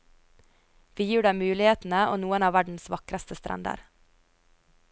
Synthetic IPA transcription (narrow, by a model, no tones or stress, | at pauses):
ʋiːjiːɖæɪmʉːlɪheːt̪n̩əʔo̰ːnuːənɑːʋæɖɳ̩sʋɑkɾɑst̪əst̪ɾʔæ̰nd̪ə̰ɾ